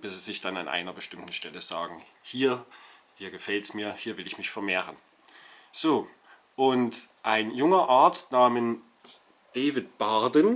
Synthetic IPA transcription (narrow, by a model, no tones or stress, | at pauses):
b̥ɪsizɪçd̥ana̰nʔa̰ɪnɐbəʃtɪmtn̩ʃtɛləza̰ːɡŋ̩ | hiːɐ | hiːɐɡəfɛltsmiːɐhiːɐvɪlɪçmɪçfɛɐmeːʁən | z̥oː | ʔʊntʔaɪnjʊŋɐʔaɐt͡stnaːmən | s | d̥eːvɪtb̥aɐdən